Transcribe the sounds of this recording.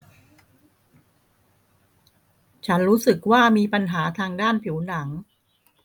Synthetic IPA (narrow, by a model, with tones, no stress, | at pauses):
t͡ɕʰa˦˥nɾuː˦˥sɯ˨˩k̚waː˥˩miː˧pa˧nɦaː˩˦t̪ʰaː˧ŋdaː˥˩npʰi˩˦wna˩˦ŋ